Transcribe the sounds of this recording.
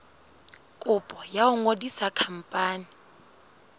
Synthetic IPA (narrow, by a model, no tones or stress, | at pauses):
kʼʊpʼɔjaʊŋodisakʰam̩pʼaːnɪ